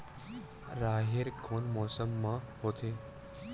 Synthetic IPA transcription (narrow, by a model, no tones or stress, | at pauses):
ɾaːɦɪɾkʰoːnmɔːsəmːãɦoːt̪ʰeː